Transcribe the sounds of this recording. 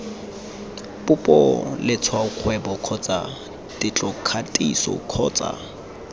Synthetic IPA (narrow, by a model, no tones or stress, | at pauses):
pʊpʼɔ̰lɪt͡sʰwaʊq͡χʰwɛbɔkʰɔt͡sʼa | tʼɪt͡ɬʼɔkʰatʼisɔ̰kʰɔːt͡sʼa̰